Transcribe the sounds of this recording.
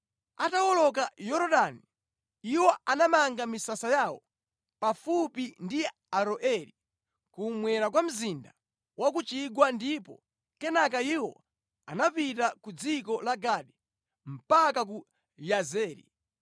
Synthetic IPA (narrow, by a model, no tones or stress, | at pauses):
atawɔlɔk̬ajɔɾɔɗani | iwɔanamaŋɡamisasajawɔ̰ | pafupindi | aɾɔʔɛɾi | kumwɛɾak̬wam̩zinda | wak̬ut͡ʃiɡwandipɔ̰ | kɛnakaiwɔ̰ | anapitakud͡zikɔlaɡaɗi | m̩pakak̬u | jazɛːɾḭ